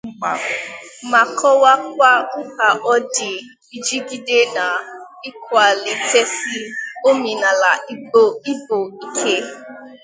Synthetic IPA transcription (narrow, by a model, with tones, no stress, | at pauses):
ŋ͡m̩˨k͡pa˨ma˨kʰɔ˦wa˦k̚ʷa˦ŋ̩˦ka˨ʔɔ˦dɪ˨ | i˨d͡ʒi˦ɡi˦de˦na˨ | i˦kʷa˨le˨te˦si˦o˦mi˨na˨la˨i˦ɡ͡bo˦i˦bo˨i˨kʰe˦